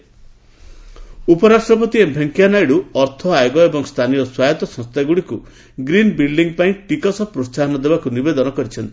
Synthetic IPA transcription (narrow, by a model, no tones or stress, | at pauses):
upɔɾasʈɾɔp̬ɔt̪iebʱeŋkjanajɽuɔɾt̪ʰɔajɡɔebɔŋst̪ʰanijɔswajɔt̪ɔsɔ̃st̪ʰaɡuɽiku | ɡɾinbilɖiŋpaĩʈikɔsɔpɾossaɦɔnɔd̪ebakunibed̪ɔnɔkɔɾit͡ʃʰɔnt̪i̥